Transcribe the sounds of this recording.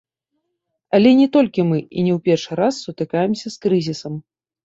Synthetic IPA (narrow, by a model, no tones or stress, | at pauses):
ɐlʲɛnʲɛt̪ɔlʲkʲimɨḭnʲɛwpʲɛrʂɨɾasːut̪ɨkajɛmsʲɐskɾɨzʲisɐm